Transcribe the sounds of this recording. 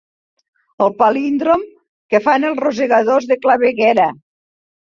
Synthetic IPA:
əlˠpalind̪ɾom | kefanelˠrozeɣaðozðeklaβeɣɛɾa

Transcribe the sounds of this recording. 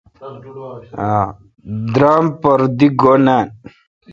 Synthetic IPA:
a | d̪ɾaːmpəɾd̪iɡonan

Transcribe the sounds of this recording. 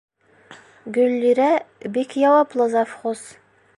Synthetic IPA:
ɡɵlːiɾæbikjɑwɑplˠɤzɑfχos

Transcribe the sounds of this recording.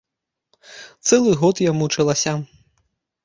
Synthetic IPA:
t̪sɛlˠɨɣɔt̪jamut͡ʂɐlˠasʲa

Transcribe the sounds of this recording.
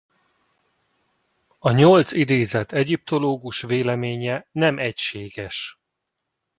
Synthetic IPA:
ɒɲo̞lt̪sid̪eːzɛt̪ʰɛɟip̚t̪o̞loːɡuʃveːlɛmeːɲɛnɛmɛcʃeːɡɛʃ

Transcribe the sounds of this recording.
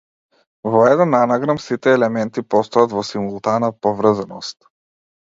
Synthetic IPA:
vɔɛd̪ɛnːanaɡɾamsit̪ɛːlɛmɛnt̪ipɔst̪ɔjat̪vɔsimulˠt̪anapɔvɾzanɔst̪

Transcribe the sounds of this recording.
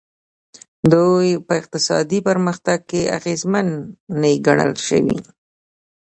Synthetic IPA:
d̪ujpəɪq̚t̪ɪsɑ̰d̪ipəɾməxt̪aɡ̚kea̰ɣezmanːaiɡaɳə̰lʃə̰wḭ

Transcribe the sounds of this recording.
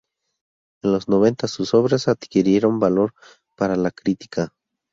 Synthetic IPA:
enlo̞znoβe̞nt̪asusoβɾesad̪̥kiɾjeɾombaloɾ | paɾalakɾit̪i̥kʰa

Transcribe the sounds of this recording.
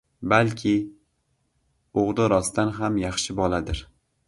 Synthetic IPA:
balkʲʰɪ | oʁd̪ɪɾɒst̪anɦamjɑχʃɪbɒlˠad̪ɪɾ

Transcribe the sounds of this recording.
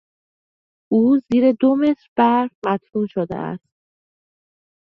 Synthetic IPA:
ʔuːziːɾed̪ome̞t̪ɾb̥æɾmæt̪ɾuːnʃod̪ḛʔæ̰st̪̚

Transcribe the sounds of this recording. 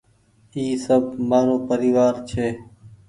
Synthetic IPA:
iːsəb̚maːɾoːpəɾiːʋaːɾt͡ʃʰeː

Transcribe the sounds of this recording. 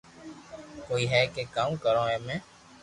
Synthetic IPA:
koːiːɦɛːkeːkaːmkəɾõːɦɛːmɛ̃ː

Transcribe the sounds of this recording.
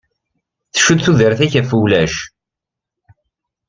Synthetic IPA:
θə̥ʃud̪θuðəɾθæçæfulæʃ

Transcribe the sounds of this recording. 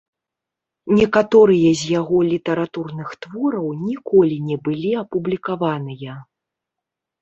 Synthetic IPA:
nʲɛkat̪ɔɾɨjɐzʲjaɣɔlʲit̪ɐɾat̪urnɨxt̪vɔɾɐwnʲikɔlʲinʲɛbɨlʲiɐpublʲikavanɨjɐ

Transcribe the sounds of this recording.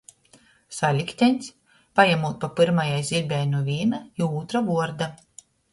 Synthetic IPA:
salʲikʲt̪ʲɛnʲs | pajamuːt̪̚papɨɾmajajzʲiɾbʲɛjnuvʲiɛnaiuːt̪ɾavuɔɾd̪a

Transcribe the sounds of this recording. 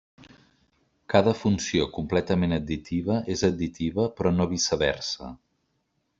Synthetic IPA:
kaðəfunsiokumplɛt̪əmenəd̪̚d̪it̪iβ̞əʔezəd̪̚d̪it̪iβəpɾɔnoβisəβɛ̰rsə̰

